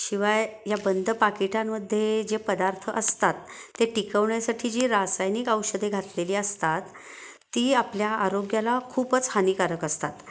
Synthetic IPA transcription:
ɕiʋajjabənd̪ʱəpakiʈamːəd̪ʱːjed͡ʑepəd̪aɾt̪ʰəʔəst̪at̪ːeʈikəʋɳjasaʈʰiːd͡ʑiːɾasajniːkəwɕəd̪ʱeɡʱat̪leliːəst̪at̪ː | iːapljaːɾoɡjalakʰuːpət͡shaniːkaɾəkəst̪at̪

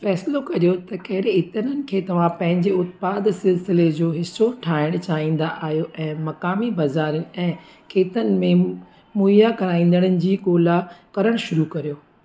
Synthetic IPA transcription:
fɛːslokɐɾijot̪ɐkɐɦɪɽeɪt̪ənənɪ̆kʰeːt̪ɐʋ̤ãpɐ̃ɦɪ̃ɲd͡ʑeʊt̪̚paːd̪sɪlsɪled͡ʑoːɦɪsːoʈʰaːɪɽ̃t͡ɕaːɦĩːn̆d̪aʔaːɦjoʔɛ̃ːmɐkaːmibɐzaːɾijənɪ̆ɛ̃ː | kʰeːt̪ənɪ̆mẽ | muːijakɐɾaːĩːnd̪əɽ̃ənɪ̆d͡ʑiːkoːlakɐɾəɽ̃ʃʊɾukɐɾijoː

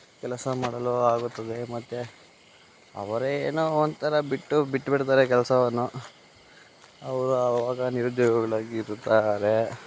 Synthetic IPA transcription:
kɛlɐsɐmaːɽɐloaːɡut̪ːɐd̪e̞mɐt̪ːe | ɐ̰ʋɐɾeeːnoːond̪t̪ʰɐɾɐbiʈːubiʈːbiɽt̪aːɾekɛlɐsɐʋɐnːu | ɐʋɐɾuɐʋaːɡɐniɾud̪jɔːɡɐɡɐɭaːɡiːɾt̪aɾe

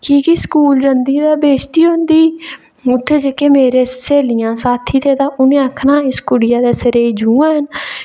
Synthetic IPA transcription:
kiːkiskuːld͡ʒənd̪iːd̪aːbeːt͡ʃt̪iːɦõnd̪iː | ʊt̪ʰːeːd͡ʒekeːmeːɾeːseːlɪjãːsaːt̪ʰiːt̪ʰeːt̪ãːʔʊnẽːəkʰnãːɪskʊɽɪjaːd̪eːsəɾeːid͡ʒuːãːɦən

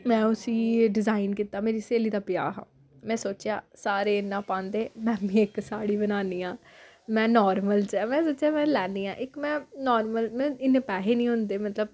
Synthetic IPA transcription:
mɛ̃ːʊsiːɖɪzaːɪnkiːt̪aːmeːɾiːseːliːd̪aːpɪjaːɦã̰ː | mɛ̃ːsoːt͡ʃjaːsaːɾeːɪnːãːpãːnd̪eːmɛ̃ːmĩːɪksaːɽiːbənaːniːãː | mɛ̃ːnɔːɾməlt͡ʃɛːmɛ̃ːsoːt͡ʃjaːmɛ̃ːlɛːnd̪iːã̰ːʔɪkmɛ̃ːnɔːɾməlmɛ̃ːɪneːpɛːɦeːnĩːɦʊ̃nd̪eːmət̪ləb̚

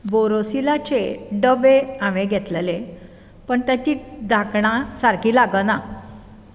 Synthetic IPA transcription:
boɾosilat͡ɕeɖəbeãʋẽɡʱɛt̪lele | pəɳt̪jat͡ɕiːd̪ʱakɳãsaɾkʰiːlaɡəna

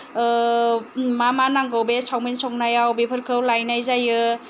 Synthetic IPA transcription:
mamanaŋɡɯwbesʰawminsɔk̚najawbepʰɯɾkʰɯwlajnajzajɯ

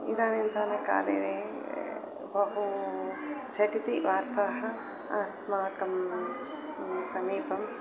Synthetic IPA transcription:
id̪aːnɐnd̪ʱanɐka̰ːlḛd̪eː | bʱɐɦu | t͡ʃʰɐʈit̪iʋaːɾpaːɦɐ | asmaːkɐm | sɐmiːpɐm

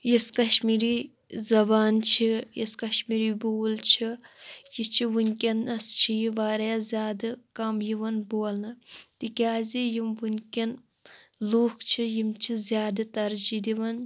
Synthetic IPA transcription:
jiskɐʃmiːɾiː | zɐbaːnt͡ʃʰijiskɐʃmiːɾiːboːlt͡ʃʰijit͡ʃʰiʋunʲkʲɐnɐst͡ʃʰijiʋaːɾjazʲjaːd̪ɨkɐmjiʋɐnboːlnɨt̪ikʲaːzijimʋunʲkʲɐn | luːkʰt͡ʃʰijimt͡ʃʰizjaːd̪ɨt̪ɐɾd͡ʒid̪iʋɐn

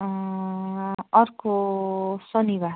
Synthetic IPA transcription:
ʌrko | sʌniβa

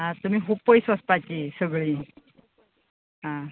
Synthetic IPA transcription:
ɦãt̪um̤iːɦup̚pːəjsʋəst̪at͡ɕisəɡɭiː | ɦã

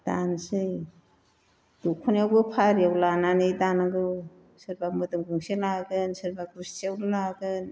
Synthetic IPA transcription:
d̥ansɯj | d̥ukʰɔnawɡɯpʰaɾijawlananɯjdanaɡɯw | sɯɾbamɯdɯŋɡuŋselaɡɯnsɯɾbakɾissiawnɯlaɡɯn

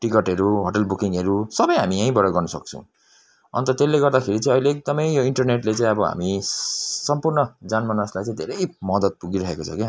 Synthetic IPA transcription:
ʈikʌʈɦʌɾuɦoʈʌlbukiŋʌɾusʌbʌjɦamiaĩbʌɽʌɡʌrnʌsʌk̚t͡sʰʌ̃w̃ | ʌ̰nt̪ʌt̪elːeɡʌrd̪akʰeɾit͡saĩʌjleek̚d̪ʌmʌjjoiɳʈʌrneʈlet͡sãĩʌbʌɦa̰mi | sʌmpurnʌd͡zanmanʌslajt͡sãĩd̪ʱeɾʌjmʌd̪ʌd̪̚puɡiɾʌɦekot͡sʰʌki

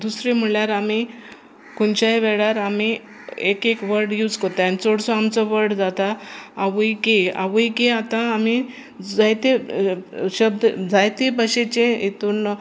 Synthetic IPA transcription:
d̪usɾem̤əɭjaɾami | kunt͡ɕajʋɛɭaɾami | ekekʋəɾɖjuːd͡zkət̪aanit͡soɽsɔamt͡sɔʋəɾɖd͡zat̪aːʋujkea̰ʋujkeat̪ãːmi | d͡zajt̪e | ɕəb̚d̪d͡zajt̪ebəɕet͡ɕẽet̪un

